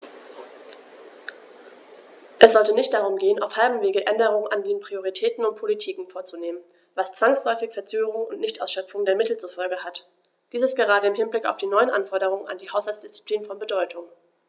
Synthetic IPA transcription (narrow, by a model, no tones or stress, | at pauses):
ʔɛsz̥ɔltənɪçt̚d̥aʁʊmɡeːənʔa̰ʊfhalbm̩veːɡəʔɛndəʁ̞ʊŋənʔandeːnpʁ̥ioʁ̞itʰɛːtn̩ʊnt̚pʰolitʰiːkŋ̩foːɐt͡suneːmən | vast͡sv̥aŋslɔʏfɪçfɛɐt͡søːɡəʁʊŋʊntnɪçtʔaʊsʃœp͡fʊŋdeːɐmɪtl̩t͡sufɔlɡəhat | d̥iːsɛstɡ̥əʁaːdəɪmhɪnblɪkaʊfd̥iːnɔʏənʔanfɔɐdəʁ̞ʊŋəna̰ndiːhaʊshalt͡sd̥ɪst͡si̥pliːnfɔnbədɔʏtʰʊŋ